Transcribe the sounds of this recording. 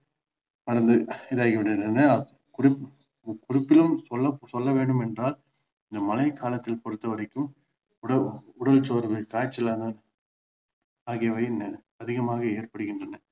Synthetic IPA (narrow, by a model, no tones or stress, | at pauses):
ɐɽɐnd̪ɯɪðaːɣɐʋɐɣɪndrɐnɐ | kʊrɪ | kʊrɪpːɪlɯmsɔlːɐsɔlːɐʋeːɳɖɯmɛndraːl | ɪnd̪ɐmɐlɐɪkʰaːlɐt̪ːɪlpɐɽɯt̪ːɐʋɐɾɐkːɯm | ɽɐʊɽɐlt͡ʃoːɾʋɯkaːt͡ʃːɪlɐnd̪an | aːɣɪɐʋɐjnɐ | ɐðɪɣɐmaːɣɐeːrpɐɽɯɣɪndrɐnɐ